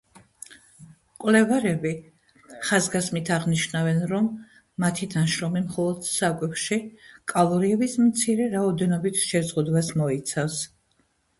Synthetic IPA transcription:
kʼwlɛvaɾɛbi | χazɡasmit̪ʰaʁniʃnavɛnɾɔmː | at̪ʰid̪anʃɾɔmimχɔlˠɔd̪̥sakʼwɛfʃikʼalˠɔɾiɛbismt̪sʰiɾɛɾaɔd̪ɛnɔbit̪ʰʃɛzʁud̪wasmɔit̪sʰafs

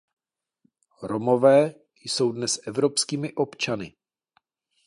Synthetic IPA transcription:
ɾomo̞vɛː | jso̞wdnɛsʔɛvɾopskiːmɪʔo̞pt͡ʃanɪ

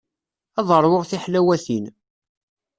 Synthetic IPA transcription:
ɑðˤəɾˤwoʁθiħlæwæθin

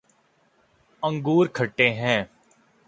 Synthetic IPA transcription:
ə̃ŋɡuːɾkʰəʈːeːɦɛ̃ː

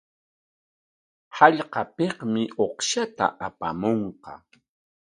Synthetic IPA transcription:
hɑʎqɑpeχmɪʔoχʃat̪a̰ʔapa̰moɴqɑ̰

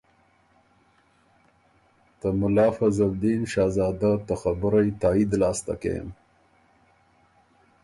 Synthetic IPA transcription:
t̪əmʊlɑːfazald̪inʃɑːzɑːd̪at̪axabʊɾajt̪ɑːid̪lɑːst̪a̰kḛj̰m

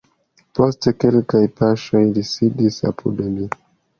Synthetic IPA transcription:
po̞steke̞lkajpaʃo̞jlisidisa̰pʰudmi

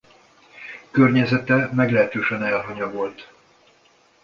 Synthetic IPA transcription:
kørɲɛzɛt̪ɛmɛɡlɛɦɛt̪øːʃɛnɛlɦɒɲɒvo̞lt̪

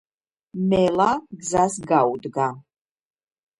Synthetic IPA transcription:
mɛlaɡzasɡawud̪ɡa

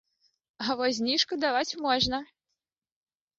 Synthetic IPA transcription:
avɔzʲnʲiʂkud̪avat͡sʲmɔʐnɐ

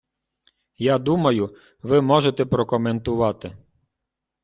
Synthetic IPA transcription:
jad̪umɐjʊ | ʋɪmɔʒet̪ɛpɾɔkɔment̪ʊʋɑt̪ɪ

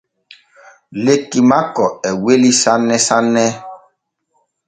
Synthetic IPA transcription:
lekimakɔɛwelisanːɛsanːɛ

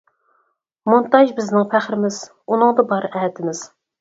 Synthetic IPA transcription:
munt̪ɑʒbɪznɪŋfæχɾɪmɪz̥ | unɨŋd̪ɨbɑɾʔɛt̪ʰɪmɪz̥

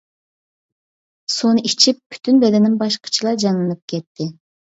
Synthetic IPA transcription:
sonit͡ʃʰip̚ːʰy̥t̪ʰynbɛd̪ɛnimbɑʃqə̥t͡ʃʰɯlˠɑd͡ʒɑnɯnɯp̚kʲʰet̪ːɪ

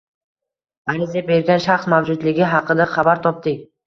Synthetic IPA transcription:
aɾɪzabe̞ɾɡʲanʃaχsmawd͡ʒʊd̪lɪɡʲɪɦɑqɨd̪aχabaɾt̪ʰɒp̚d̪ɪkʲ

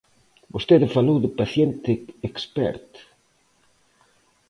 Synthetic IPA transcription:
bost̪eðɪfalowðɪpaθjent̪ɪekspɛ̰ɾt̪

